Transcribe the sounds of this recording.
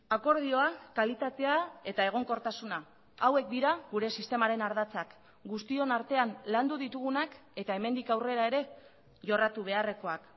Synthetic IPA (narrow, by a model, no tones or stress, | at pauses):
ako̞ɾð̞io̞akalit̪at̪e̞ae̞t̪ae̞ɣ̞o̞ŋko̞ɾt̪asuna | awe̞k̚d̪iɾaɣuɾe̞sist̪e̞maɾe̞naɾðat͡sak | ɡust̪io̞naɾt̪e̞anland̪uðit̪uɣunake̞t̪aeme̞nd̪ikawre̞ɾae̞ɾe̞ | ʝo̞rat̪uβ̞e̞are̞ko̞ak